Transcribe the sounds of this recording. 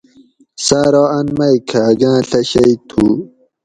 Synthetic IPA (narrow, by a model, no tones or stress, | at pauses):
saːɾoɐnmɐjkʰaɡãːɬɐɕɐit̪ʰu